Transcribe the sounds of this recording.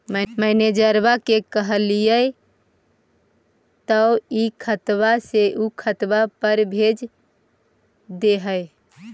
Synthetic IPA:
məɪned͡ʒəɾbakekəɦəlijəj | t̪əʊikʰət̪baseʔukʰət̪bapəɾbʱed͡ʒ | d̪eɦəj

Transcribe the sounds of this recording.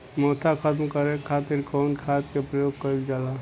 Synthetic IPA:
mɔːt̪ʰakʰət̪mkəɾẽkʰaːt̪ɪɾkɔːnkʰaːt̪kepɾəjoːɡ̚kəild͡ʒaːla

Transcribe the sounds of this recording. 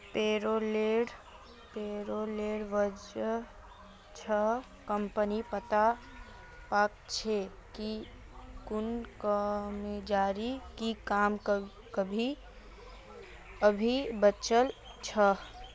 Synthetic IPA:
peːɾoleɽ | peɾoleɽʋəd͡ʒ | t͡ʃʰə | kəmpənipət̪a | paːk̚t͡ʃʰe | ki | kʊnkəmed͡ʒaːɾikikaːmk | kəbʱi | əbʱibət͡ʃəl | t͡ʃʰə

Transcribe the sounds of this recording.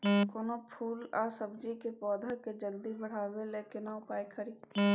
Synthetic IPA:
koːnopʰuːlaːsəbd͡ʒikepɔːd̪ʱəked͡ʒəld̪ibəɽ̤aːweleːkenaʊpaːikʰəɾiːd̪̚t̪ʰi

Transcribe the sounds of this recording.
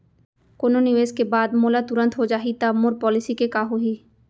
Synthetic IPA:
kononɪʋeːzkebaːd̪molat̪uɾə̃nt̪ɦod͡ʒaːɦit̪amoɾpɔːlɪsikekaːɦoɦiː

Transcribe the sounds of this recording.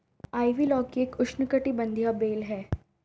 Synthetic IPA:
aːiʋilɔːkieːkʊʃnəkəʈibə̃nd̪ʱjabeːlɦɛː

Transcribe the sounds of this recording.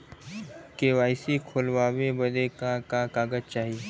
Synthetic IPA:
keʋaːjsikʰoːlʋaːʋebəd̪ekakakaːɡəd͡ʒt͡ʃaːɦie

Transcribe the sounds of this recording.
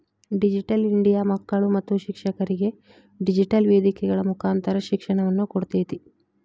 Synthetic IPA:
ɖid͡ʒiʈɐliɳɖijaːmɐkːɐɭumɐt̪ːuʃikʂɐkɐɾiɡe̞ | ɖid͡ʒiʈɐlʋeːd̪ikɛɡɐɭɐmukʰaːnt̪ɐɾɐʃikʂɐɳɐʋɐnːukoɽut̪eːt̪i

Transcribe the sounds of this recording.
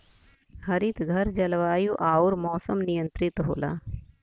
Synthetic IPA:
hɐɾit̪ɡʱɐɾd͡ʒɐlʋaːjuʔaːuɾmɔːsəmnɪjə̃nt̪ɾɪt̪ɦo̰ːla̰ː

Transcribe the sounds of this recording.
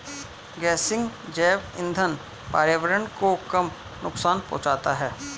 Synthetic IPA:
ɡɛːsɪ̃ŋɡd͡ʒɛːʋɪ̃nd̪ʱən | paːɾjəʋəɾənkokɐm | nʊksaːnpɔ̰̃ːt͡ʃaːt̪aɦɛː

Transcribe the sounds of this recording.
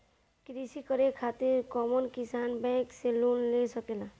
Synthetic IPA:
kɾisikɔɾekʰat̪iɾkɔmɔnkisanbɛ̃kselunlesɔkela

